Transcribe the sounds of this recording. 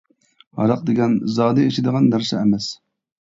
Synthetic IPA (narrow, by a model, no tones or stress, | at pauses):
ɑ̰ɾɑq̚d̪eɡʲɛnzɑːd̪ɨeʃid̪əʁɑnd̪æɾsɑɛmɛs